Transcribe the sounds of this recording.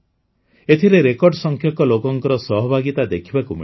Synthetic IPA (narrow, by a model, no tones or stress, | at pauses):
et̪ʰiɾeɾekɔɾɖɔsɔŋkʰjɔkɔlokɔŋkɔɾɔsɔɦɔbʱaɡit̪ad̪ekʰibakumi